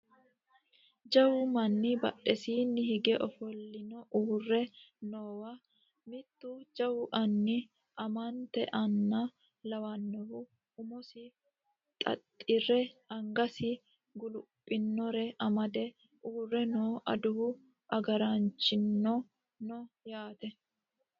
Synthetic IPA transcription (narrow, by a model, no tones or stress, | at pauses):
d͡ʒɐwʊmɐnːɪbɐ̰ɗɛsiːnːɪhɪɡɛʔɔfɔlːɪnɔʔuːrːɛnoːwa | mɪt̪ːud͡ʒɐwʊʔɐnːɪ | ʔɐmant̪ɛ̰ʔɐnːɐ | lɐwɐnːɔhʊ | ʊmɔsɪ | t̪ʼɐ̰t̪ʼːɪrɛɐŋɡɐsɪ | ɡʊlʊpʼːɪnːɔɾɛʔɐmɐd̪ɛ | uːrːɛnoːʔɐd̪ʊhʊ | ʔɐɡɐɾant͡ʃːɪnːɔ | nɔjaːt̪ɛ